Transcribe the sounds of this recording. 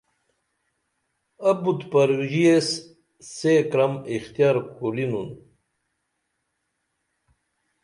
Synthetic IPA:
ɐbut̪pɐɾʑies | sekɾɐmixt̪ijaɾkulinun

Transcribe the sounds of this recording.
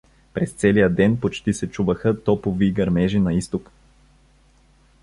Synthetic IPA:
pɾɛst̪sɛlijəd̪ɛnpot͡ʃt̪isɛt͡ʃuvəxət̪ɔpoviɡɐɾmɛʒinɐist̪ok

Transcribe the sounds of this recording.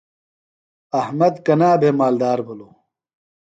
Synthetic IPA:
ɐhmɐd̪kɐnaːbʱeːmaːld̪aːɾbʱoloː

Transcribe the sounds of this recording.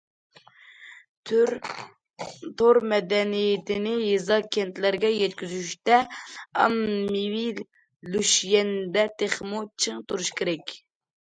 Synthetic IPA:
t̪ʰɾ | t̪ʰoɾmɛd̪ɛnijɪt̪ʰɪnɪjezɑkʲʰɛnt̪læɾɡʲɛjɛt̪̚kʲyzyʃt̪ɛɑ̰mːiwil | luʃjɛnd̪ɛt̪ʰeχmut͡ʃʰɨŋt̪uɾuʃkʲʰeɾɛkʲ

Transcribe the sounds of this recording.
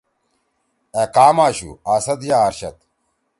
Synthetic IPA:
ekaːmaːɕṵaːsɐt̪jaːɾɕɐt̪

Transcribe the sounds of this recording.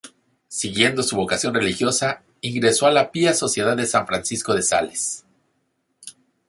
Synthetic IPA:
siɣje̞nd̪o̞suβo̞kasjo̞nre̞lixjo̞sa | iŋɡɾe̞so̞alapiaso̞sje̞ðaðesaɱfɾansisko̞ðe̞sa̰les

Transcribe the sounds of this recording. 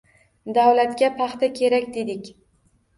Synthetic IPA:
d̪awlat̪kʲapʰɑχt̪akʲʰe̞ɾakʲd̪e̞d̪ɪkʲ

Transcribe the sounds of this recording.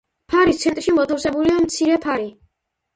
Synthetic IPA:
pʰaɾist̪sʰɛnt̪ʼɾʃimɔt̪ʰafsɛbuliamt̪sʰiɾɛpʰaɾi

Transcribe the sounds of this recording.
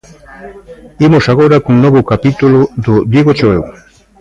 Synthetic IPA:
imosaɣ̞oɾakuŋnoβokapit̪uloðod̪iɣot͡ʃoew

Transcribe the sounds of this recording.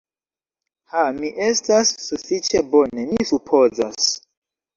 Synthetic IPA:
hamiʔe̞stasːufit͡ʃe̞bone̞misupʰozas

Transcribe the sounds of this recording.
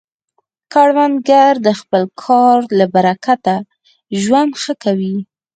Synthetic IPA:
kaɽwanɡaɾd̪əxpəlkʰɑɾlabaɾakat̪a | ʒwand̪xəkawi

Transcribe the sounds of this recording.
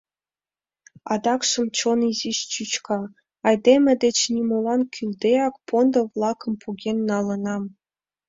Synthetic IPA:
ɑ̰d̪ɑkʂə̆mt͡ɕonizit͡ɕyt͡ɕkʰɑ | ɑjd̪emʲĕd̪et͡ɕnʲimolɑnkʲʰyld̪eɑkpond̪ə̆vlˠɑkə̆mpʰuɡʲenːɑlə̆nɑm

